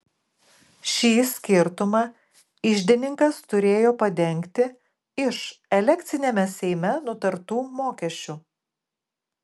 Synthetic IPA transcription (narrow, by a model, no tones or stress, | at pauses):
ʃʲiːsʲkʲɪɾt̪ʊmɑː | ɪʒʲd̪ʲɪnʲɪŋkɐst̪ʊɾʲeːjoːpɐd̪ʲɛŋʲkt̪ʲɪ | ɪʃɛlʲɛkt̪sʲɪnʲɛmʲɛsʲɛɪmʲɛnʊt̪ɐɾt̪uːmoːkʲɛʃʲt͡ʃʲu